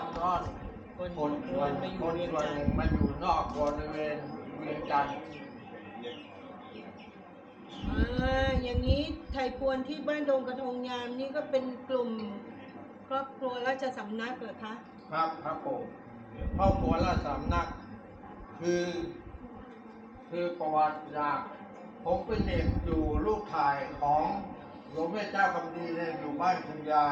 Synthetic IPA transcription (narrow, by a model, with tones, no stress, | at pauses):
t̪ɔː˥˩n | ko˧no˧n˧a˧nma˥˩juo˧n˧˨˧nnɯ˨˩ŋma˧njuː˨˩nɔː˥˩k̚bɔ˧ɾi˧weː˧nwi˧ənt͡ɕa˧n | ʔaː˧˦ja˨˩ŋːiː˦˥t̪ʰa˧˩jpʰu˧ənt̪ʰiː˥˩baː˥˩ndoː˧ŋka˧t̪ʰo˧ŋɲaː˧mniː˥˩kɔː˥˩pe˧nklu˨˩m | kʰɾɔː˥˩p̚kʰɾu˧ɐlɛː˦˥˩t͡ɕa˧˩sa˩˦mna˦˥˩k̚laː˨˩kʰa˦˥ʔ | kʰɾa˦˥p̚kʰɾa˦˥pʰːo˩˦m | kʰɾɔː˥˩p̚kʰɾu˧ɐlɛː˦˥˩sa˩˦mna˦˥˩k̚ | kʰːɯː˧ | kʰɯː˧pɔː˨˩t̪̚t͡ɕaː˨˩k̚ | pʰːo˨˦mpe˧e˨˩k̚juː˨˩luː˥˩k̚t̪ʰaː˧˩jkʰɔː˩˦ŋ | ɾu˨˩˦ŋweː˥˩t͡ɕaː˥˩kʰa˧mdiː˧na˧˩juː˨˩baː˥˩nt̪ʰɯ˧ŋjaː˧